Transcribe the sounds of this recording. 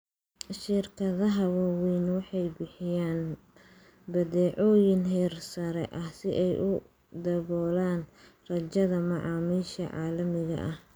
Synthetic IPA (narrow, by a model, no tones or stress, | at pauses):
ʃɪrkʰɐðɐɦɐwɐwiːnwɑħɑjbɪħɪjaːn | bɐdɛːʕɔːjɪnɦɛːrsɐɾɛ̰ʔɐhsɪʔɛjʔʊ | d̪ɐβɔːlaːnrɐt͡ʃɐðɐmɑʕɑːmiːʃɐ̰ʕɑ̰ːlɐmɪɣɐ̰ʔɐh